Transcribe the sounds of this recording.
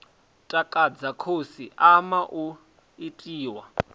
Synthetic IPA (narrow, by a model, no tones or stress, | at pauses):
tʼakʼad͡zakʰosiamaʔu | itʼiːwa